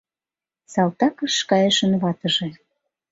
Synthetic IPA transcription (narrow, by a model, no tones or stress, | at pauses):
sɑlt̪ɑkəʃkɑjeʃənβɑt̪əʒĕ